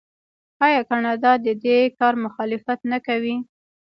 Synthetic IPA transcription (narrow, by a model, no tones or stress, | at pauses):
ɑjɑkanɑd̪ɑd̪əd̪ekɑɾmʊxɑlɪfat̪nakawi